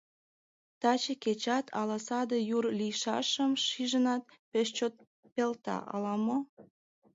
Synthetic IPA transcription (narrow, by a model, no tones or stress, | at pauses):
t̪ɑt͡ɕeket͡ɕɑt̪ʰɑlɑsɑd̪əjurlijʃɑ̰ʃəmʃiʒənɑt̪̚ | peʃ̬t͡ɕot̪̚ | pelt̪ɑ̰ʔɑlɑmo